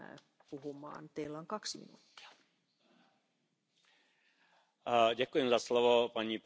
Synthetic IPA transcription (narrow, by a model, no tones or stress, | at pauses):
puɦumɑ̰ːnt̪eilːoŋkɑksmḭnṵːt̪ːi̥ɑ̥ | ɟɛkujɛmzaslovopaɲiːp